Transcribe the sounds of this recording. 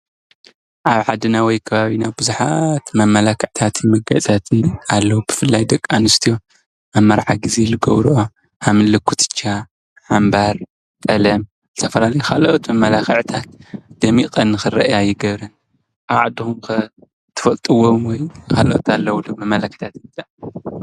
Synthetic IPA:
ʔaβħad̪ɨnawɔjkʰɐβaβinabɨzuħat̪mɐmɐlakʰɐʕt̪ʰat̪ʰimɐɡɐ̰t͡sʼat̪ʰɨnalːɐwubɨfɨlːajd̪ɐkʼːanɨst̪ʰijo̞ | ʔamːɐɾħaɡɨzelɨɡɐ̰βɾuʔo | ʔamɨnlɨkʰːut̪ʰʼɨ̥t͡ʃʰːa | ħambaɾ | t̪ʼɐlɐm | zɨt̪ʰɐfɐlalɐjukʰaloot̪mɐmɐlakʰɐʕt̪ʰat̪̚d̪̥ɐmikʼɐnːɨxɨɾɐʔjajɪɡɐβɾɐn | ʔaβʕad̪ːixumkɨ | t̪ʰɨ̥fɐlt̪ʼɨwomwɔjkʰalo̰t̪alːɐwlumɐmːɐlakʰt̪ʰat̪t̪ʼaʕ

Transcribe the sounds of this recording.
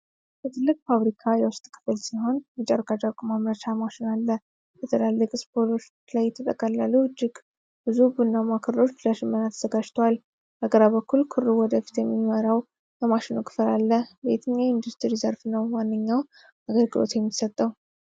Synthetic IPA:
b̥ət̪ʰɨlːɨkʼfaβɾikʰajɛwʊst̪ʼkʰɨ̥fɨlsiɦo̞nmɛt͡ʃʼaɾkʰʼad͡ʒakʷʼmamɾət͡ʃamaʃɪnalːə | bət̪ʰəlalːəkʼɨspʰolo̞ | lajt̪ʰət̪ʼəkʼəlːaluɨd͡ʒːɪɡ | b̥ɨzubɨnːamakʰɨɾɾo̞t͡ʃːləʃɪmːənat̪ʰəz̥əɡad͡ʒt̪ʰwal | bəɡəɾaβəkʰːulkʰɨɾuwɔd̪əfi̥t̪jɛmːiməɾaw | jəmaʃɪnukʰʼɨ̥fɨlalːəhbet̪ʰɨɲːaind̪ust̪ʰiɾizəɾfnəwːanːəɲːaw | aɡəɾɡɨlo̞̰t̪jɛmːisət̪ʼːəw

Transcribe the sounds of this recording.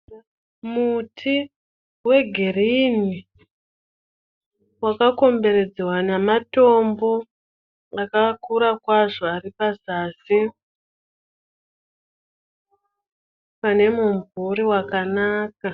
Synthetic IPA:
mutʰi | we̞ɡʱerini | wakako̞mbe̞ɾe̞d͡zewanamato̞mbo̞ | akakuɾakwaʐoaripazaːsi | pane̞muɱvuɾiwakanaːka

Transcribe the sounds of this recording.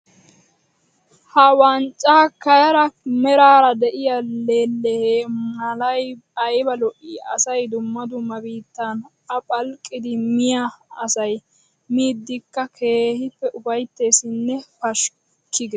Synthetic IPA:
hɐwɐnt͡ʃʼːaːkɐjɐɾɐmɛɾaːɾɐd̪ɛʔɪjɐleːlːɛheːmɐlɐjɐjbɐlɔʔiːɐ̰sɐjd̪ʊmːɐd̪ʊmːɐbiːt̪ːɐnʔɐpʼɐlkʼːɪd̪ɪmɪjɐːsɐj | miːd̪ːɪkːɐkʰe̞ːhɪpːɛʔʊfɐjt̪ːe̞ːsɪnːɛfɐʃ | kʰːɪɡɛ

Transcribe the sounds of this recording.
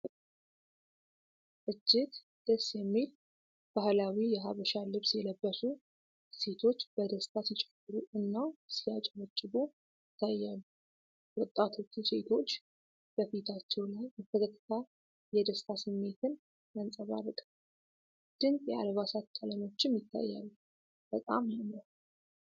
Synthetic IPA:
ʔɨd͡ʒːɪd̪ | d̪̥ɨsjɛmːil | b̥ahlawijɛɦaβəʃalɨβsjɛləbːəsu | se̞t̪ʰo̞t͡ʃːb̥əd̪əst̪ʰasit͡ʃʼɛ̥bɨɾuʔɨnːasijat͡ʃʼɛwət͡ʃʼːɨbo | jɪt̪ʰːajːalːu | wɔt̪ʼːat̪ʰo̞t͡ʃːuse̞t̪ʰo̞t͡ʃː | b̥əfit̪ʰat͡ʃːɛwlajbət̪ʰːək̪ʰət̪ʰːə̥t̪ʰa | jɛd̪əst̪ʰasɨmːe̞t̪ʰɨn | jansʼəβa̰ɾt̪ʼ | d̪̥ɨnkʼjɛa̰lβasat̪t͡ʃʼaləmo̞t͡ʃːɪmjɪt̪ʰːa̰jːa̰lːu | b̥ət̪ʼamnəw

